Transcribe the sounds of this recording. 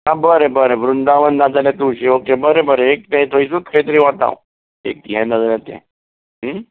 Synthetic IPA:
ãbəɾebəɾeʋɾund̪aʋənːad͡zaljat̪uːɕeʋək̚ʈebəɾebəɾeek̚t̪ãĩt̪ʰoisut̪kʰəit̪əɾĩʋat̪a̰w | ḛk̚t̪iɦɛ̃nad͡zalat̪jɛ̰̃

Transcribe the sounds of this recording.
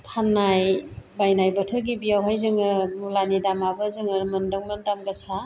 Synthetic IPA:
pʰanːajbajnajbɐtʰəɾɡibijawɦajzɯŋɯmulanidamabəzɯŋɯmɐndɯŋməndamɡɐsa

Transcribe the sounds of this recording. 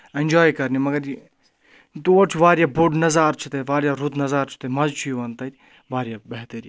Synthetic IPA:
end͡ʒaːjkɐɾnimɐɡɐɾi | t̪uːt͡ʃʰuʋaːɾjaːbuɖnɐzaːɾt͡ʃʰut̪ɐʋaːɾjaːɾut̪nɐzaːɾt͡ʃʰu̥t̪ɐmɐzt͡ʃʰujiʋɐnt̪ɐt̪ʲ | ʋaːɾjaːbɐɦt̪ɐɾi

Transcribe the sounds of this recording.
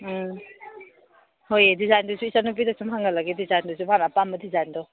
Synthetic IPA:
hojedizajndusuisanup̬idasumɦaŋalaɡedizajndusubanapambadizajndɔ

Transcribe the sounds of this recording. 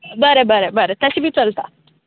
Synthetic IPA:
bəɾebəɾebəɾet̪əɕibʱiːt͡səlt̪a

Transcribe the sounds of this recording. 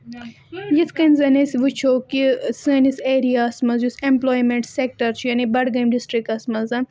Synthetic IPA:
jit̪ʰkɐnzɐnesʋut͡ʃʰoːkisɨniseːɾijaːsmɐzjusẽmploːjmẽɳʈsek̚ʈɐɾt͡ʃʰjɐnibɐɽɡɐmɖisʈɾikʈɐsmɐzɐ

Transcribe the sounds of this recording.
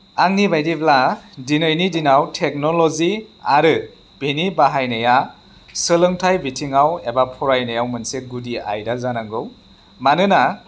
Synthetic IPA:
aŋnibajdibladinɯjnidinawtʰek̚nɔlɔziaɾɯ | b̥ʱinibaɦajnɯja | sɯlɯŋtʰajbʱitʰiŋawebapʰɔɾajnajawmɯnseɡudia̰jdazanaŋɡɯw | manɯna

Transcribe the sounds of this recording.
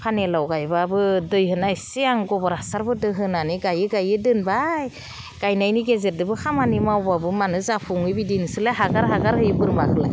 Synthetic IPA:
pʰanelawɡajbabɯdɯjɦɯnajsiaŋɡɔbɔɾasaɾbɯdɯɦɯnaniɡajɯɡajɯdɯnbaj | ɡ̥ajnajniɡezeɾ̚dɯbɯkʰamanimawbabɯmanɯzapʰuŋɯbidinɯsɯlaɦaɡaɾɦaɡaɾhɯjɯbɯɾmakɯlaj

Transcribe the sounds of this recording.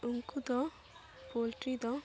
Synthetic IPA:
uŋkud̪ɔ | polʈɾid̪ɔ

